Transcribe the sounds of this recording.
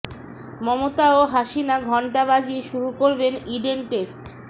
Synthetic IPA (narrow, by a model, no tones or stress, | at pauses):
mɔmot̪aoɦaʃinaɡʱɔɳʈabad͡ʑiʃuɾukoɾbeniɖenʈesʈ